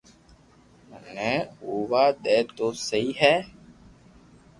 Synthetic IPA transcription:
nɛːuːʋaːd̪ɛːt̪oseihæː

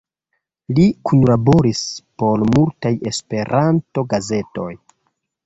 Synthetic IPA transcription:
likunlabo̞ɾispo̞ɾmultaje̞spe̞ɾʔanto̞ɡaze̞to̞̰j

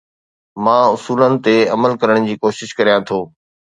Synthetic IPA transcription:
mãːʊsuːlənɪ̆t̪eɐməlkɐɾəɽ̃d͡ʑiːkoːʃɪʃkɐɾijãt̪ʰoː

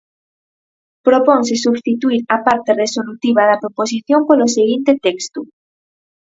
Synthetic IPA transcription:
pɾopõŋs̬esuβst̪it̪uiɾapaɾt̪eresolut̪iβ̞aðɐpɾopos̬iθjompoloseɣ̞int̪et̪ɛkst̪u

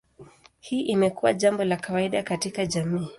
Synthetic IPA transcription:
hiːʔimɛkuwa̰ʄambɔlakawaiɗakatikaʄamiː

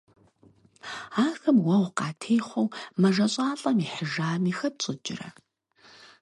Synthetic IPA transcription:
aːxɐmwɐʁʷqɑːtʰeːχʷɐwmɐʒɐɕʼɑːɬʼɐmiːħəʒaːmiːxɐɕʼɪd͡ʒɪ̰rɐ̰

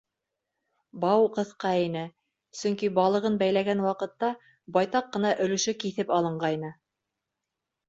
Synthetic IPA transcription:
bɑwqɤ̆θqɑinɘ | sɵ̆ŋkibɑlˠɤ̆ʁɤnbæjlæɡænwɑqɤ̆t̪ːɑ | bɑjt̪ɑqːɤ̆nɑʔɵ̆lɵ̆ʃɵkiθɘpɑlˠɤ̆ɴɢɑjnɤ

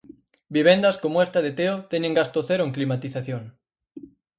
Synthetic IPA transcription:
biβ̞end̪ɐskomoest̪aðet̪eot̪ɛɲeŋɡast̪oθeɾoeŋklimat̪iθaθjoŋ

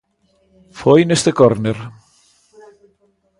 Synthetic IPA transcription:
fɔjnest̪ekɔɾneɾ

